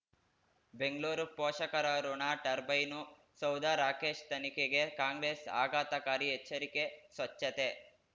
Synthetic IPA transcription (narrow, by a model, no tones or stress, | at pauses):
beŋɡɭuːɾupɔːʃɐkɐɾɐɾoɳaːʈɐɾbɐjnu | sɐwd̪aːɾaːkeːʃt̪ɐnikeɡekaːŋɡɾeːsa̰ːɡaːt̪ɐkaːɾiɦet͡ʃːɐɾike̞sʋɐt͡ʃːɐt̪e